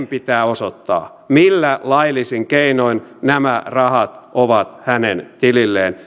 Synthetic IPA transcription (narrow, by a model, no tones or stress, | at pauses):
mpit̪æːosot̪ːɑ̰ː | milːælɑilisiŋkeinoinnæmærɑhɑt̪ʔoʋɑt̪hænent̪ililːeːn